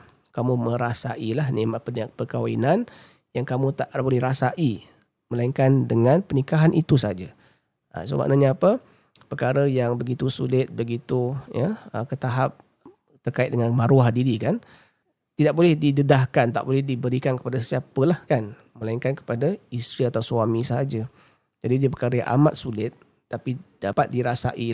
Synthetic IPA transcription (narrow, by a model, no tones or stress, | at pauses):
kamumə̃ɾasaʔilahnemaʔənpəkawaḭnan | jaŋkamũt̪aʔbolɛhɾasaʔi | məlaiŋkandəŋãnpənikaɦanʔit̪usad͡ʒa | ʔə̰so̰ma̰ʔnaɲaːpə | pərkaɾəjaŋbəɡit̪usulɪt̪̚bəɡit̪ujəəkət̪aɦap̚ | t̪ərkaɪt̪̚dəŋanmãɾuahdiɾikan | t̪idaʔ̚bolɛhdidədahkant̪a̰ʔbolɛhdibəɾikankə̥padasəsiapəlahkan | məlaiŋkankə̥padaist̪ɾiat̪ausuamĩsəɦad͡ʒa | d͡ʒadidiəpərkaɾəja̰ŋʔa̰mat̪̚sulɪt̪̚ | t̪ːapid̥apat̪̚diɾasa̰ʔi